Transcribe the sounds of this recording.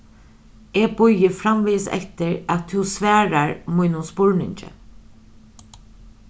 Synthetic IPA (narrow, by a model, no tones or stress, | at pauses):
eːbʊjəfɾamʋiːsɛ̰t̪əɹat̪ʰːusʋæːɹaɹmʊjnʊnspʊɹnɪ̰ɲt͡ʃə̰